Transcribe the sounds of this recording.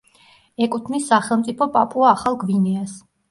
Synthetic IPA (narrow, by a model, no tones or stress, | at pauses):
ɛkʼut̪ʰnisːaχɛlˠmt̪sʼipʰɔpʼapʼuaːχalˠɡvinɛas